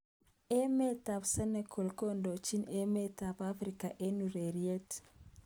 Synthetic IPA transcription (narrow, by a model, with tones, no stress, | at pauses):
e˦me˦ta˨psa˦ne˨kʰo˨lko˦ndo˨t͡ʃi˦ne˦me˦ta˨pa˦fɾi˦ka˨ʔe˦nu˨ɾe˨ɾie˦t